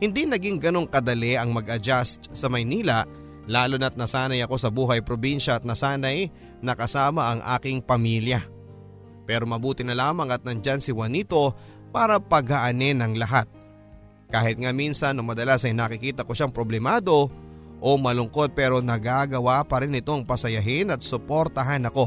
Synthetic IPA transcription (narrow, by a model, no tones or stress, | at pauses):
hɪnd̪inɐɡiŋɡɐno̞ŋkɐd̪ɐlɛʔɐŋmɐɡʔɐd͡ʒast̪sɐmɐjniːlɐ | laːlonɐt̪̚nɐsaːnɐjɐko̞sɐbuːɦɐjpɾo̞binʃɐːt̪̚nɐsaːnɐj | nɐkɐsaːmɐʔɐŋʔa̰ːkɪŋpɐmiljɐ | pɛːɾo̞mɐbuːt̪ɪnɐlaːmɐŋɐt̪̚nɐnd͡ʒansɪwɐnit̪o̞ | paːɾɐpɐɡɐʔɐnɛnɐŋlɐɦat̪̚ | kaːhɪt̪̚ŋaminsɐnːoŋmɐd̪ɐlasɐjnɐkɪkiːt̪ɐko̞ʃaŋpɾo̞blɛmaːd̪o̞ʔo̞mɐlʊŋko̞d̪̚pɛːɾo̞nɐɡaɡɐwapɐɾɪnːɪt̪o̞ŋpɐsɐjɐɦɪnɐt̪̚sʊpoɾt̪ɐɦanɐko̞